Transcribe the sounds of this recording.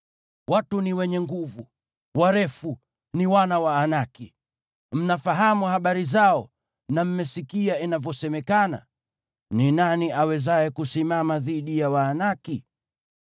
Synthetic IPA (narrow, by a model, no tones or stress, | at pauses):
watuniwɛɲɛŋɡuvu | waɾɛfu | niwanawaːnaki | m̩nafaɦamuhaɓaɾizaɔ | nam̩mɛsikiainavjɔsɛmɛkana̰ | ninaniʔawɛzajɛkusimamaðiɗijawaːnaki